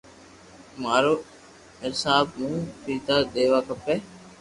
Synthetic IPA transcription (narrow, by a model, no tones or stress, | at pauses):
maːɾoː | ɪsaːbmũːpiːt̪aːd̪eːʋaːkəpːeː